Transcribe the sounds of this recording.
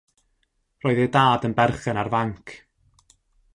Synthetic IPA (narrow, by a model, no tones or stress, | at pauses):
roːɨðedaːdənbɛrχɛnarvaŋkʰ